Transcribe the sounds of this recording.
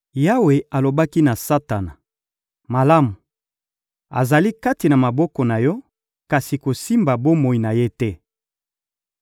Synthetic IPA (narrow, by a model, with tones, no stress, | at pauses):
ja˦we˨a˨lo˨ba˦ki˦na˨sa˦ta˨na˨ | ma˨la˦mu˨ | a̰˨za˨li˦ka˦ti˨na˨ma˨bɔ˦kɔ˨na˨jɔ˦ | ka˨si˨ko˨si˦mba˨bo˦mo˨i˨na˨je˦tɛ˦